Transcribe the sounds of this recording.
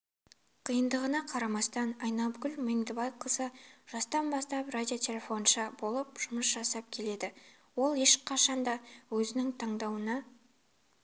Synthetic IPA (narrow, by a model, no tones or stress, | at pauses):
qʰijənd̪əʁənɑqʰɑɾɑmɑst̪ɑnɑjnɑbɡʲʏlʲmeŋd̪ɪbɑjqʰəzəʒ̥ɑst̪ɑnbɑst̪ɑprad̪ʲio̞t̪ʲʰe̞lʲe̞fo̞nʃɑbo̞lˠəp̚ʒ̥ʊməsʒɑsɑp̚kʲʰe̞le̞d̪ɪ | wo̞lˠe̞ʃqʰɑʃɑnd̪ɑwɵzɪnɪŋt̪ʰɑɴd̪ɑwənɑ